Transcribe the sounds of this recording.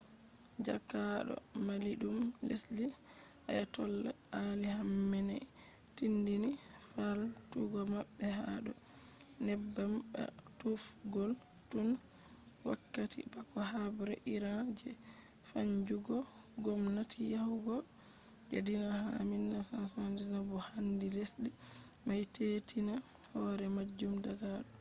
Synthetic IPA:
d͡ʒakːaɗɔ̰maliɗumbesli | a̰jatɔlːɛ̰ | anihamːɛnɛ | tindini | faltuɡɔmaɓːɛhaɗɔ | nɛbːamba̰ | tuf | ɡɔl | ɗun | wakːatḭbakɔɦabuɾɛʔiɾad͡ʒɛ | faɲd͡ʒuɡɔ | ɡɔmnatʰijahuɡɔ | d͡ʒḛdinahaminːasansandizabɔhandilesdi | majtetʰina | hɔɾɛmad͡ʒːumdaɡa

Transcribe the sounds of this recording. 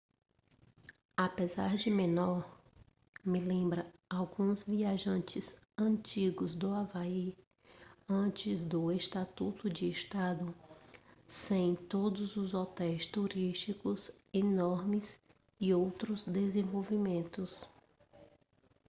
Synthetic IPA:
apezaɾd͡ʒɪmẽnɔɾ | mɪlẽmbɾɐawɡũzviaʒɐ̃nt͡ʃɪzɐ̃t͡ʃiɡʊzd̪ʊavai | ɐ̃t͡ʃɪzd̪ʊest̪at̪ut̪ʊd͡ʒɪest̪ad̪ʊ | sẽj̃t̪od̪ʊzʊzɔt̪ɛjst̪uɾiʃt͡ʃikʊs | enɔɾmɪs | ɪowt̪ɾʊzd̪ezẽvowvimẽnt̪ʊs

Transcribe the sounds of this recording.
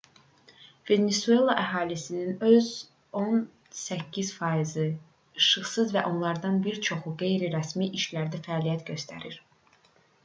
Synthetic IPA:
ve̞nesue̞lˠɑʔæɦɑːlisininø̞z | o̞n | sæcʰːiz̥fɑizɯ | ɯʃɯχsɯzvæʔo̞nlˠɑɾd̪ɑnbiɾt͡ʃʰo̞xuɡe̞jɾiɾæsmiʔiʃlæɾd̪æfæɑːlijæt̪ɟø̞st̪ʰæ̰ɾiɾ̥

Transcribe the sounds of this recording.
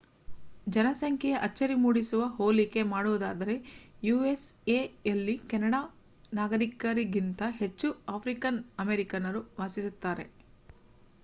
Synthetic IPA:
d͡ʒɐnɐsɐŋkʰɛjɐʔɐt͡ʃːɐɾimuːɽisuʋɐɦoːlike̞maːɽuʋud̪aːd̪ɐɾe̞juːeseːjɐlːikɐnɐɽaː | naːɡɐɾikɐɾiɡint̪ɐɦe̞t͡ʃːuaːpʰɾikɐnɐmeɾikɐnɐɾuʋaːsisut̪ːaːɾe̞

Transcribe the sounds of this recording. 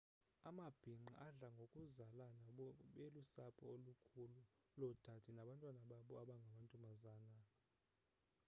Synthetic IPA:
amab̥ʱiŋ͡ǃaʔaɮaŋɡʱokʼuzalanaɓelusapʰɔolukʰulu | lɔd̥ʱad̥ʰʱinaɓantʼwanaɓaɓɔaɓaŋɡʱamantʼumazaːna

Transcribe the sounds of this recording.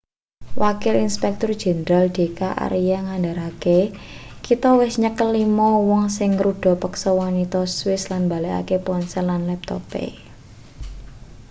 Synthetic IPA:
wʔakɪlinspɛk̚t̪ʊrd̥ʒ̥ɛ̤nɾald̪̥e̤kaʔa̰ɾijaŋandaɾake | kit̪ɔwɪsɲəkəlimɔwɔŋsɪŋːɾuɖ̥ɔ̤pəksɔwɔnit̪ɔswɪslanmba̤leʔa̰kepɔnsɛlːanlɛp̚t̪ɔ̰pḛ

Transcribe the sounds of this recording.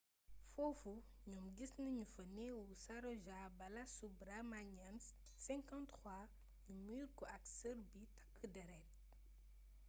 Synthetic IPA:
fɔfu | ɲumɡisnɐɲufɐnɛwusaɾɔʒabɐlasubɾamaɲɛns | sɛ̃ŋkãntxwa | ɲumiːɾkɔʔɐksəɾbitɐ̥kːədɛɾɛt̚

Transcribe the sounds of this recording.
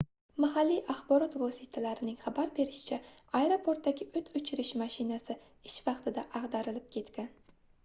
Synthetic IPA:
mahalːijʔaχbɒɾɒt̪vɒsit̪ʰalaɾɪnɪŋχabaɾbe̞ɾɪʃɪ̥t͡ʃʰaaeɾopʰoɾt̪̚d̪aɡʲɪʔɵt̪ʰɵt͡ʃʰɪɾɪʃmaʃɪnasɪ | ɪʃvɑqt̪ʰɪd̪aʔɑʁd̪aɾɪlɪp̚kʲʰe̞t̪kʲan

